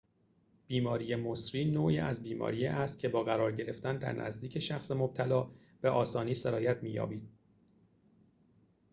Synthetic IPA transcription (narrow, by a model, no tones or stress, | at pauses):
b̥iːmɒːɾijemosɾiːnoːʔiːʔæzbiːmɒ̰ːɾijeʔæst̪̚cʰe̞bɒːɣæɾɒːɾɟe̞ɾe̞ft̪ænd̪æ̰ɾnʔæ̰zd̪iːcʰe̞ʃæxse̞mob̥̚t̪ʰælɒː | b̥eʔɒːsɒːniːseɾɒːjæt̪ʰmiːjɒ̰ːbiːd̪̥̚